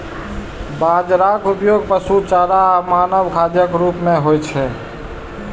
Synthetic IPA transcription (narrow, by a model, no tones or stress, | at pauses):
bãd͡ʒɾakupjoːɡ̚pəsut͡ʃaːɾamaːnəʋkʰad͡ʒjəkɾuːpmẽɦojt͡ʃʰɛ